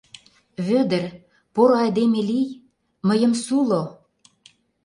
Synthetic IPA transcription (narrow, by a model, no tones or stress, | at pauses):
βød̪ə̆r | poɾoɑjd̪emelij | məjə̆msulo